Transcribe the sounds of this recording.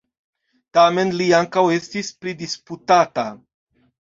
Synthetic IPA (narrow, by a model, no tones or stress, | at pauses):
t̪ame̞nliaŋkawe̞st̪ispɾid̪isput̪at̪a